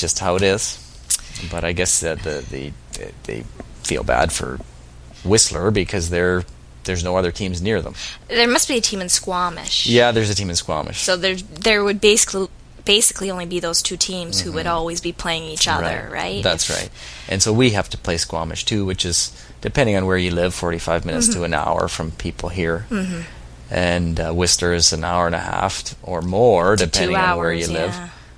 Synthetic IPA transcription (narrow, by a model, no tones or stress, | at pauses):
d̥ʒ̥ʌst̚haʊɨɾɪz̥ | b̥ʌɾaɪɡɛsðɨðɨðḛðḛɪ | fḭlˠbæ̰d̥fə̰˞ | wɪslˠə˞bɨkʰʌzðə˞ | ðə˞znoʊʌðə˞tʰĩmznɪɹðə̰̃mðə˞mʌst̚b̥iɨtʰĩmɨ̃nskwɑmɪ̰ʃjæðə˞zɨtʰĩmɨ̃nskwɑ̰mʔɨ̰ʃsoʊðə˞ðə˞wɨd̚beɪsɪ̥kli | b̥eɪsɨ̥kliõʊ̃nlibiðoʊz̥tʰʉtʰĩmz̥huwɨɾɔlˠwizbipʰl̥eɪɪ̃ŋit͡ʃʌ̰ɹaðɪə̰˞ɹa̰ɪtðætsɹa̰ɪt̚ʔɨ̰̃nsoʊwiɦæftə̥pʰl̥eɪskwɑ̰mɨ̰ʃtʰʉwɨt͡ʃɨz | d̥ɨpʰɛ̃ndɪ̃ŋɨ̃nwə˞jɨlɪv̥fɔɹɾifaɪvmɪ̃nɨtstʰəɨ̃na̰ʊə̰˞fɹʌ̃mpʰipl̩ˠɦiɹ̩̥ | ʔɨ̃nwɪstə˞zɨ̃na̰ʊə˞ɨ̃nɨ̰hæ̰ftə˞mɔɹdɨpʰɛ̃ndɪŋaʊnə˞jɨlɪv̥